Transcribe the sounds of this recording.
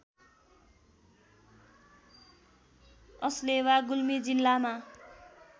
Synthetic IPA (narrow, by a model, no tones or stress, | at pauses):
ʌslewaɡulmid͡zilːama